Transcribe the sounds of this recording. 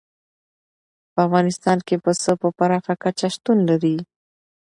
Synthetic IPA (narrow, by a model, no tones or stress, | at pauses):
pəafɣɑnɪst̪ɑnkepəsəpəpaɾɑxakat͡ʃaʃt̪unlaɾi